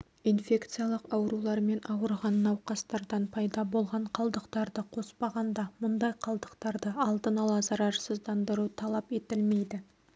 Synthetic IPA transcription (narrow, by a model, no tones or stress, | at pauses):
infʲe̞kt̪sɨjalˠəqɑwɾulˠɑɾme̞nʔɑwəɾʁɑnːɑwqɑst̪ɑɾd̪ɑnpʰɑjd̪ɑbo̞lˠʁɑɴqʰɑlˠd̪əqt̪ɑɾd̪əqʰo̞spɑʁɑnd̪ɑmʊnd̪ɑjqʰɑlˠd̪əqt̪ɑɾd̪əɑlˠd̪ənɑlˠɑzɑɾɑɾsəzd̪ɑnd̪əɾut̪ʰɑlˠɑpe̞t̪ɪlme̞jd̪ɪ